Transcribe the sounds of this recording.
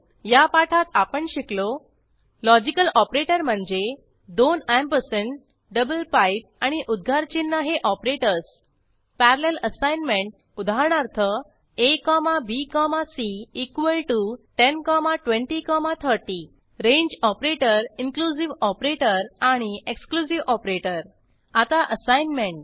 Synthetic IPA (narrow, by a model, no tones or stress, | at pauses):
japaʈʰat̪apəɳɕiklo | lɔd͡ʑikəlɔpɾeʈəɾm̤əɳd͡ze | d̪onampəɾseɳʈ | ɖəbəlpajp̚aɽ̃iʔud̪̚ɡʱaɾt͡ɕinːəɦeʔɔpɾeʈəɾs | pæɾaleləsajnmẽɳʈ̚ | ud̪ʱaɳ̃aɾt̪ʰə | ekɔmabikɔmasiːkʋəlʈuʈenkɔmaʈʋẽɳʈikɔmat̪ʰəɾʈi | ɾẽɲd͡ʑɔpɾeʈəɾinklud͡ʑiʋɔpɾeʈəɾaɽ̃ieksklusiʋʔɔpɾeʈəɾ | at̪aʔəsajnmẽɳʈ